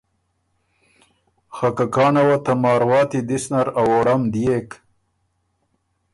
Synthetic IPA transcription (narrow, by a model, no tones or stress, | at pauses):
xakakɑːnawat̪amɑːɾwɑːt̪id̪isnɐɾawoɽamd̪ijek